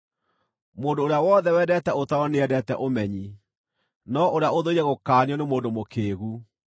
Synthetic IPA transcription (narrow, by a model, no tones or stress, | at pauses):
moːndoːɾeawɔːðɛwɛːdɛtɛotaɔneɛdɛtɛʔomɛɲi | nɔʔoɾeaoðoiɾɛɣokaːniɔnemoːndomokeːɣu